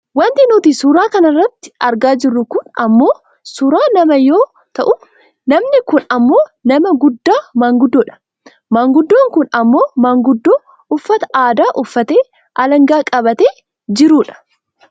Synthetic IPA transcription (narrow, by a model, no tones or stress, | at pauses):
wɐnt̪ɪnuːt̪isʊɾaːkɐnɐrːɐt̪ːɪ̥ɐɾɡaːd͡ʒɪrːʊkʊnɐmːo̞ː | sʊɾaːnɐmɐjo̞ː | t̪ɐʔʊ | nɐmnɪkʊnɐmːo̞ːnɐmɐɡʊd̪ːaːmaːŋɡʊd̪ːoːᶑɐ̥ | maːŋɡʊd̪ːoːŋkʊnɐmːo̞ːmaːŋɡʊd̪ːoː | ʊfːɐt̪ɐ̥ʔaːd̪aːʔʊfːɐt̪eː | ʔɐlɐŋɡaːkʼɐbɐt̪eː | d͡ʒɪɾuːᶑɐ̥